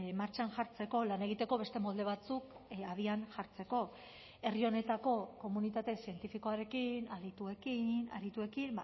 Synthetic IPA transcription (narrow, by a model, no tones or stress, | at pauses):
maɾt͡ʃanʝaɾt͡se̞ko̞lane̞ɣ̞it̪e̞ko̞βe̞st̪e̞mo̞ld̪e̞β̞at͡suk | aðianʝaɾt͡se̞ko̞ | e̞rio̞ne̞t̪ako̞ko̞munit̪at̪e̞sie̞nt̪ifiko̞aɾe̞kinalit̪ue̞kina̰ɾit̪ue̞kim